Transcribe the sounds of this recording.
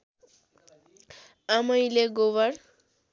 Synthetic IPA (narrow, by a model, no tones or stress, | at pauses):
amʌjleɡowʌɾ